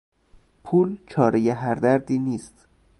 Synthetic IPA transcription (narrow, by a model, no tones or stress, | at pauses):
pʰuːlt͡ʃʰɒːɾejeɦæɾd̪æɾd̪iːniːst̪